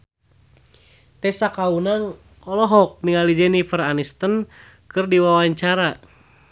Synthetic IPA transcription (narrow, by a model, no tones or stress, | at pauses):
t̪ɛsakaunaŋ | ɔlɔɦɔk̚niŋalid͡ʒɛnifəranist̪ən | kɨrdiwawaɲt͡ʃaɾa